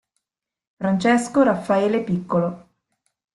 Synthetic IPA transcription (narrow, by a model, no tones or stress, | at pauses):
fɾant͡ʃeskoɾafːaeːlepikːolo